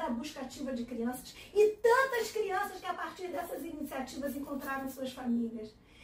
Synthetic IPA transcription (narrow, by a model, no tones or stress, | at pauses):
ɾɐbuʃkat̪ivɐd̪ɨkɾiɐ̃sɐ̥ʃit̪ɐ̃nt̪ɐʃkɾiɐ̃sɐʃkɐpaɾt̪iɾd̪ɛsɐzinisiat̪ivɐzẽŋkõnt̪ɾaɾɐ̃suɐʃfamiljɐʃ